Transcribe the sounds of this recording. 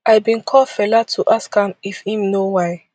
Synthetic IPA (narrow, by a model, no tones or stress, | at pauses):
ʔaɪbĩnkʰɔfɛlatʰuʔaskhãmifhĩmnowaɪ